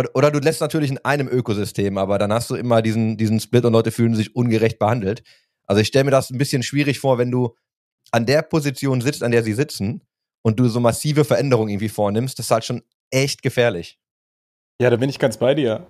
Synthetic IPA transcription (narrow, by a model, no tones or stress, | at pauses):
ʔʔoːɾɐduːlɛstnatʰyːɐlɪçɪnʔaɪnəmʔøːkozʏstʰeːmʔaːbɐdanhastd̥uːʔɪmɐdiːzn̩diːzn̩splɪtʊntlɔʏtəfyːlən̩zɪçʔʊnɡəʁɛçt̚b̥əhandl̩t | ʔalzoɪçʃtɛləmiːɐdasn̩bɪsçənʃv̥iːʁ̞ɪçfoːɐvɛnduː | ʔandeːɐpʰozit͡sjoːnzɪt͡standeːɐziːzɪt͡sn̩ | ʔʊnt̚d̥uːzoːmasiːvəfɛɐʔɛndəʁ̞ʊŋʔɪɡŋ̩tv̥iːfoːɐnɪmstd̥asɪ̥shaltʃoːn | ʔɛçt̚ɡ̥əfɛːɐlɪç | jaːɾaːbɪnɪçɡ̥ansb̥aɪdiːɐ